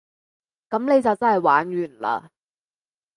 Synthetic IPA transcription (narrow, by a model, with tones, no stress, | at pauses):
kɐ˨˥mne˨˧jt͡sɐ˨wt͡sɐ˥nhɐ˨jwaː˨˥nɥyː˨˩nla̰ː˧